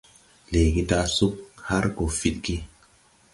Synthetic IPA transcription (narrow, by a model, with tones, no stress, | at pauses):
le˨ɡi˦da˧su˦k̚ha˦ɾɡo˨fi˨t̚ɡi˦